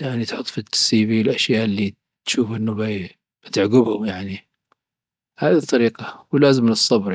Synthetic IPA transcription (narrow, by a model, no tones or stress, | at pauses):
jaʕnit̪ħʊt̪ˤːfit̪siːbilʔaʃjaːʔɪlːi | t̪ʃuːfʔɪnːʊba | b̥ɪt̪ɪʕɡɪbhʊmjaʕni | haːðit̪ˤːɑɾiːqɑwlaːzɪmlɨsˤːɑbɾ